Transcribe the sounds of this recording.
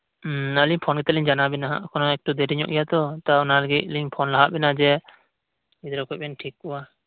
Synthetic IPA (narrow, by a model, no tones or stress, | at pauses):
əliɲpʰɔnɡɛt̪ɛliɲd͡ʒanabɛnaɦa̰ʔkʰɔnɔɛk̚ʈud̪ɛɾiɲɔ̰ʔɡɛjat̪ɔt̪aɔnaləɡit̪̚liɲpʰɔnlaɦaʔbɛnad͡ʒɛ | id̪ɾɔkʰɔc̚bɛnʈʰikːɔwa